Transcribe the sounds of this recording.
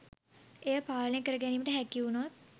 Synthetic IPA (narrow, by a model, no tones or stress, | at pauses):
ejəpaːlənejəkəɾəɡæniːməʈəɦækiunot̪̚